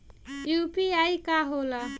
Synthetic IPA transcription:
jupiajkaɦola

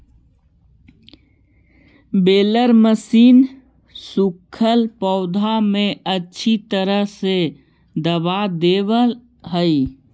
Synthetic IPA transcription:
beːləɾməsiːn | sukʰəlpɔʊd̪ʱamẽətːʃʰit̪əɾəɦse | d̪əbad̪ebəl | ɦəi

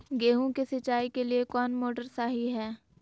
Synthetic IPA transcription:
ɡeːɦõkesɪt͡ʃaːikeliekɔːnmoːʈəɾsaːɦiɦɛː

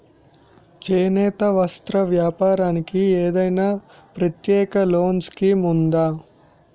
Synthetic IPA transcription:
t͡ʃɛːnɛːt̪ɐʋɐst̪ɾɐʋjaːpaːɾaːnikieːd̪ɐjnaː | pɾɐt̪jɛːkɐloːnskimund̪aː

